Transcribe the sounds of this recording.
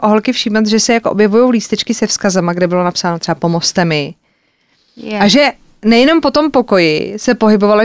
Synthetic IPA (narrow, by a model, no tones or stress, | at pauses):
ʔoɦolkɪfʃiːmat̪ʒɛsɛjakoʔobjɛvujo̞wliːst̪ɛt͡ʃkɪsɛfskazɛmaɡdɛbɪlo̞napsaːnot̪r̥ɛbapomo̞st̪ɛmɪ | aʒɛ | nɛjɛno̞mpo̞t̪o̞mpo̞ko̞jɪ̰sɛpo̞ɦɪbo̞valɪ